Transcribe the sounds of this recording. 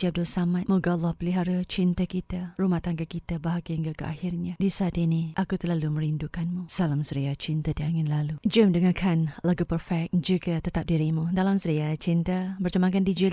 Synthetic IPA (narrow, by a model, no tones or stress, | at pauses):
d͡ʒiab̚dʊlsamãt̪muɡɔlːɔhpəliɦaɾat͡ʃint̪akit̪arumaht̪aŋɡakit̪abaɦaɡiəŋɡakəʔa̰hirɲadisaat̪iniʔakut̪əlaluməɾindukanmusalamsəɾiat͡ʃint̪adiaŋɪnlalud͡ʒəmdəŋakʰanlaɡupərfɛk̚d͡ʒukat̪ət̪ap̚diɾimudalamsəɾiat͡ʃint̪abərt͡ʃəmaŋkandid͡ʒil